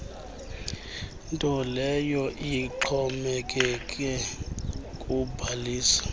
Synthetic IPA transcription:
ntʼɔlɛjɔʔiǃʰɔmɛkʼɛkʼɛ | kʼubʱaliːsḁ

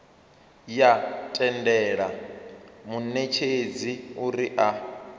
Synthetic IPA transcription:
jatʼɛndɛːɺa | munet͡ʃʰed͡ziuɾiʔa

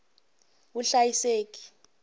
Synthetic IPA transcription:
wuɬajiseːk̬i̥

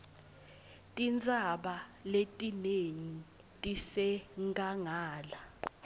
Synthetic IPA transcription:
tʼint͡sʼaɓaletʼineɲi | tʼisɛŋɡaŋaːla

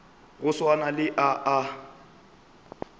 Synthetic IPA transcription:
ɣʊswanalɪʔaʔa

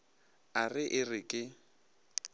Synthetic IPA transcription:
arɪʔɪrɪkʼɪ

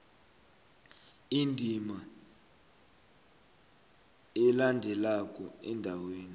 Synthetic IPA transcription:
indʱima | ɛlandʱɛlakʼɔɛndʱaweːni

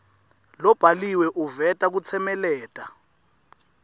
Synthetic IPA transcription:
lɔb̥ʱaliwɛʔuvɛtʼak̬ut͡sʰɛmɛlɛːtʼa

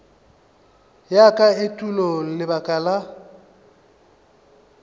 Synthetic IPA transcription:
jakʼaetʼulol̩lɪbakʼala

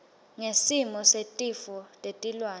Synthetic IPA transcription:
ŋesimɔsetʼifɔtʼetʼilwaːn

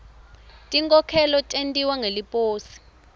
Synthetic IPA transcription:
tʼiŋkʼɔkʰɛlɔtʼentʼiwaŋelipʼoːsi̥

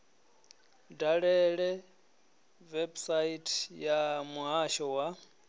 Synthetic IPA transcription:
daɺɛɺɛ | vɛbsaitʰʼjamuɦaʃɔwa

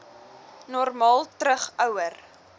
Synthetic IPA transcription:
nɔrmɑːlˠtɾəχœwər

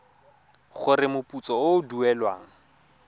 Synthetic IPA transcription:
χʊrɪmʊpʼut͡sɔʊduɛlwa̰ːŋ̩

